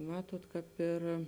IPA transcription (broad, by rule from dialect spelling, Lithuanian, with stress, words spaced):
ˈmɑːtuɔt kɑːp ˈɪr